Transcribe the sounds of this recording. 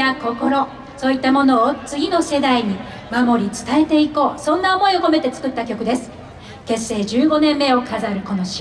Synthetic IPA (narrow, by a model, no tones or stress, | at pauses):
ako̞ko̞ɾo̞ | so̞ːit̪ːamo̞no̞ːt͡sɨɡʲino̞se̞d̪aiɲ̟i | mamo̞ɾʲit͡sɨ̥t̪ae̞t̪e̞iko̞ːsõ̞nːao̞mo̞io̞ko̞me̞t̪e̞t͡sɨ̥kɯ̟t̪ːakʲo̞kɯ̟d̪e̞sɨ̥ | ke̞sːe̞ːd͡ʑɨːɡo̞nẽ̞mːe̞o̞kʰazaɾɯ̟ko̞no̞ɕi